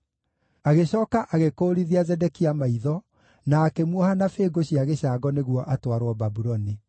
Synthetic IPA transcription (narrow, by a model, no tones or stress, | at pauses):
aɣeɕɔːkaʔaɣekoːɾiðiazɛdɛkiamaiðɔ | naːkemwɔhanafeːɡoɕiaɣeɕaɡɔneɣwɔʔatwaɾwɔbabuɾɔni